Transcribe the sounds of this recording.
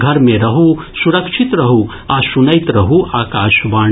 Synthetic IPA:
ɡʱɐɾmẽɾɐɦu | suɾɐkʃʰit̪ɾɐɦu | asunɐjt̪ɾɐɦuʔaːkaːʃʋaː

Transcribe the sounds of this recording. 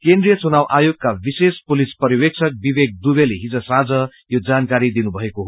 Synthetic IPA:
kẽnd̪rijʌt͡sunawʔajoɡ̚kabisespulispʌɾiwek̚sʰʌk̚bibeɡ̚d̪ubeleɦid͡zʌsad͡zʌ | jod͡zankaɾid̪inubʱʌekoɦ

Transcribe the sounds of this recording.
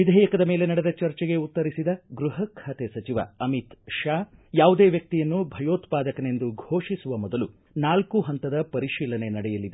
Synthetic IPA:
ʋid̪ʱɛːjɐkɐd̪ɐme̞ːle̞nɐɽed̪ɐt͡ʃɐɾt͡ʃɛɡe̞ut̪ːɐɾisid̪ɐɡɾuɦɐkʰːaːt̪esɐt͡ʃiʋɐ̰ɐmit̪ʃaːjaːʋud̪eːʋjɐk̚t̪ijɐnːubʱɐjoːt̪paːd̪ɐkɐne̞nd̪uɡʱo̞ːʂisuʋɐmɔd̪ɐlu | naːlkuɦɐnt̪ɐd̪ɐpɐɾiʃiːlɐne̞nɐɽɛjɐlid̪e

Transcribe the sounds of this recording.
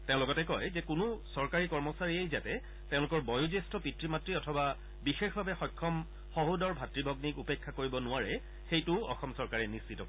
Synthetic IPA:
tẽʊ̃lʊɡɔtɛkɔjzɛkʊnʊsɔɹkaɹikɔɹmɔsaɹiejzatɛ | tẽʊ̃lʊkɔɹbɔjuzestɔpitɹimatɹiɔtʰɔba | bixexbʱabɛxɔjkʰːɔm | xoɦudɔɹbʱatɹibʱɔɡnikupekʰːakoɹibɔnʊaɹɛ | xejtʊɔ̰xɔmsɔɹkaɹɛnissitɔ

